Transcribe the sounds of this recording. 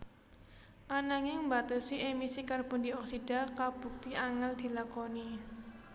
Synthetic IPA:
ʔanaŋɪŋmbat̪əsiʔemisikarb̥ṳndiɔksid̥a̤kab̥ṳk̚t̪iʔaŋald̪̥i̤lakoni

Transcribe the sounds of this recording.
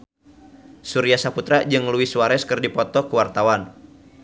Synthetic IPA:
suɾiasaput̪ɾad͡ʒɨŋluiswaɾɛskɨrdipɔt̪ɔkuwart̪awan

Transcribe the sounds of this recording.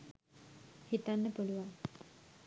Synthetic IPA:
hit̪anːəpoluʋa

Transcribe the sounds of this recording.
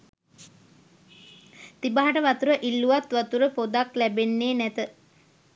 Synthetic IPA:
t̪ibaɦaʈəʋat̪uɾəʔilːuʋat̪ʋat̪uɾəpod̪aklæbenːeːnɛt̪ə

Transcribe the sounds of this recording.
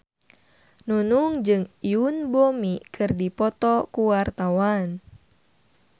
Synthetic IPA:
nunuŋd͡ʒɨŋjunbomikʰɨrdipɔt̪ɔkuwart̪awan

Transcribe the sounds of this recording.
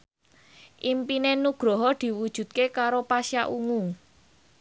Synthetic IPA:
ʔimpinenuɡ̥ɾɔɦɔd̪̥i̤wud̥ʒ̥ṳt̪̚kekaɾopasiaʔuŋu

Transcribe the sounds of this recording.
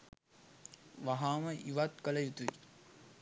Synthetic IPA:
ʋaɦaːməʔiʋat̪kələjut̪uḭ

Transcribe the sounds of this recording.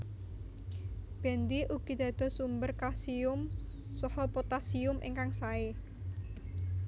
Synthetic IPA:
b̥ɛ̤nd̪iʔuɡ̥i̤d̪̥a̤d̪̥ɔ̤sumbərkasiʊm | sɔhɔpot̪asiʊmʔḛŋkaŋsae

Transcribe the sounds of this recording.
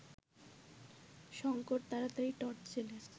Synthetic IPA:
ʃɔŋkoʈ̚t̪aɾat̪aiʈɔɾʈt͡ɕʰele

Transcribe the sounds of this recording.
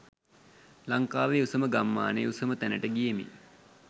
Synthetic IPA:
laŋkaːʋeusəməɡamːa̰ːnḛusəmət̪ænəʈəɡijemḭ

